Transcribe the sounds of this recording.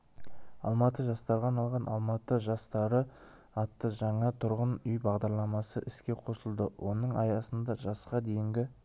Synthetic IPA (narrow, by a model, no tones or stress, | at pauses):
ɑ̰lˠmɑt̪əʒɑst̪ɑɾʁɑnɑlˠʁɑnʔɑ̰lˠmɑt̪əʒɑst̪ɑɾə | ɑt̪ːəʒɑɴɑt̪ʰʊɾʁənʏjbɑʁd̪ɑɾlˠɑmɑsəʔɪskʲe̞qʰo̞səlˠd̪əwʔo̞nəɴɑ̰jɑsənd̪ɑʒɑsqɑd̪e̞jɪŋɡʲɪ